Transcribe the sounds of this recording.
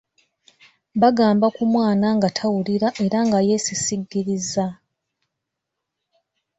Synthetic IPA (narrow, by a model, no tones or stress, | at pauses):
βaɡaːmbakumwaːnaŋɡatʰawuliɾaʔe̞ɾaŋɡaje̞sisiɡːiɾiza